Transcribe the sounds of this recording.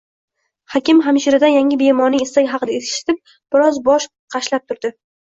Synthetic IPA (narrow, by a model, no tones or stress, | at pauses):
hɒkʲɪmɦamʃɪɾɪd̪ajaŋʲɪbe̞mɒnɪest̪akʲɦɑqɨd̪aet̪ʰʃɪ̥t̪ʰɪp̚ | b̥ɪɾɒzbɒʃ | qʰɑʃlap̚t̪ʰʊɾd̪ɪ